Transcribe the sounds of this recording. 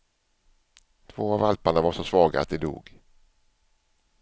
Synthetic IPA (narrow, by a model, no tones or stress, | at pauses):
t̪ʰv̥oːavalpaɳavaɾʂɔsvɑːɡa̰t̪̚d̪ɛd̪ṵːɡ